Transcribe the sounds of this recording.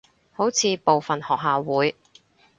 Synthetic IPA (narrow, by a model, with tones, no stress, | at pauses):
ho˨˥wt͡sʰiː˨˧po˨wfɐ˨nhɔː˨k̚ɦaː˨wwuː˨˥j